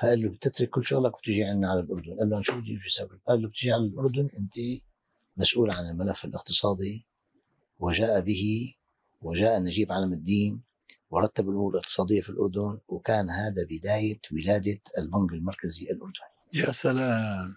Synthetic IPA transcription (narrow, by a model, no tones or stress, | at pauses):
faʔɪlːubt̪ɪt̪ɾɪkːɪlːʃʊɣlakwt̪ɪʒiʕanːaʕalalʔʊɾd̪ʊnʔalːʔanʃuːfd̪ifisabɪlaʔɪlːub̚t̪ɪʒiʕalalʔʊɾˤd̪ʊnʔɪnt̪i | masʔuːlʕanɪlmalafːɪlʔɪqt̪ɨ̥sˤɑːd̪ˤi | wɪʒaːʔabɪhi | wɪʒaːʔanaʒiːbʕalamɪd̪ːiːn | wɑɾˤɑt̪ːabɪlʔʊmuːɾɪlʔɪq̚t̪ɨ̥sˤɑːd̪ɪjːafilʔʊ̰ɾˤd̪ʊnwɪkaːnɦaːd̪abɪd̪aːjawɪlaːd̪aɪlbʊŋɡɪlmɑɾˤkaziʔɪlʔʊɾˤd̪ʊn | jasalaː